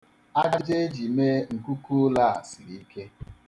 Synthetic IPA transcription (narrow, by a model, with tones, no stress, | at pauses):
a˦d͡ʒe˦d͡ʒi˨me˦ŋ̩˨ku˦ku˦la˦a˨si˨ɾi˨i˦ke˦